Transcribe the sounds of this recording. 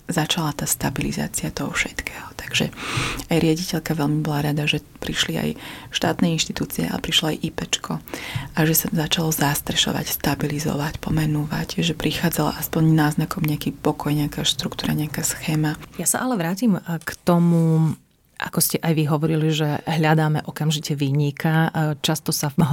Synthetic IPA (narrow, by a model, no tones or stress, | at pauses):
zat͡ʃalat̪aːst̪abiliza̰ːt͡siat̪ɔɦɔfʃɛt̪kʰɛːɦɔt̪ḁɡ̥ʒɛ̰ajɾɪaɟicɛʎkaʋɛʎmibɔlaɾad̪aʒɛ | pɾiʃlia̰jʃt̪a̰ːt̪nɛinʃt̪it̪uːt͡siɛ̰a̰lɛ̰pɾiʃlɔajʔipɛt͡ʃkʰɔʔaʒɛsazat͡ʃalɔzast̪ɾɛʃɔ̰ʋa̰cst̪abilizɔ̰ʋacpɔmɛnuʋa̰ɟʒɛpɾixaːd͡zala̰ʔaspɔɲnaːznakɔmɲɛakiːpɔkɔjɲɛakaːʃt̪ɾukt̪uːɾa̰ɲɛakaːsxɛːmajasa̰ʔalɛʋɾaːcimkt̪ɔmu | ʔa̰kɔscɛʔajʋiɦɔʋɔɾiliʒɛɦlʎad̪aːmɛʔɔkamʒicɛʋiːɲikʰat͡ʃast̪ɔsaɦ